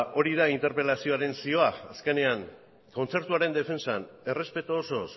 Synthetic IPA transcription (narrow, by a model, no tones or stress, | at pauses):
ʔo̞ɾiðaint̪e̞ɾpe̞lasio̞aɾe̞nsio̞aaske̞ne̞aŋ | ko̞nt͡se̞ɾt̪uaɾe̞nd̪efe̞nsane̞re̞spe̞t̪oːso̞s